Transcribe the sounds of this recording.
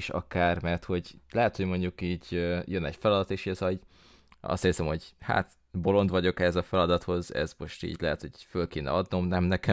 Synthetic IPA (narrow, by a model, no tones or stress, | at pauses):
ʃɒ̰kaːrmɛrt̪ho̞ɟlɛɦɛt̪hoɟmo̞ɲɟukiːɟøjønɛɟfɛlɒd̪ɒt̪eːʃiɛzɒiɟ | ɒ̰st̪eːsɛmho̞ɟha̰ːt̪ | bo̞lo̞nd̪ʋɒɟo̞kɛhɛzɒfɛlɒd̪ɒt̪ho̞zɛ̰zmo̞ʃt̪ḭːɟlɛɦɛt̪ho̞ɟfølkeːnɛ̰ɒd̪no̞mnɛmnɛkɛ